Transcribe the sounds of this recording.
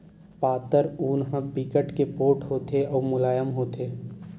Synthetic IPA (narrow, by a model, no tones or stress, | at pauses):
paːt̪əɾuːnɦə̃pikəʈkepoːʈɦoːt̪eɔːɾmʊlaːjəmɦoːt̪ʰeː